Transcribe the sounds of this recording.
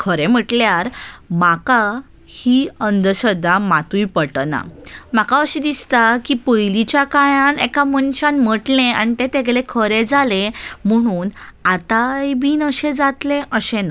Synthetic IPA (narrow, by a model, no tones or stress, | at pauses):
kʰəɾem̤əʈljaɾmaka | hiənd̪əɕəd̪amat̪ujpəʈəna̰m̤akaəɕid̪ist̪akipəjlit͡ɕjakajãnekamənɕanm̤əʈlẽa̰ɳt̪et̪eɡlekʰəɾed͡zalem̤əɽ̃uːnat̪ajbiːnəɕed͡zat̪leʔəɕena